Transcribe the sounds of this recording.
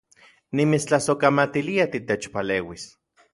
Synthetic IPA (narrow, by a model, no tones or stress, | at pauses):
nimit͡st͡ɬasokamat̪iliat̪it̪et͡ʃpaleːwis